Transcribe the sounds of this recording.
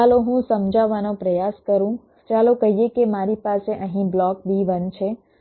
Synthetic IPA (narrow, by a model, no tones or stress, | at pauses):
aloɦũsəmd͡ʒaʋanopɾəjaskəɾũ | t͡ʃalokəɦijekemaɾipaseʔə̃ɦĩblɔkbiʋənt͡ʃʰe